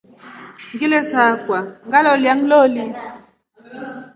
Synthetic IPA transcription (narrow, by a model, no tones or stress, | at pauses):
ŋɡilesakwaŋɡalɔljaŋloli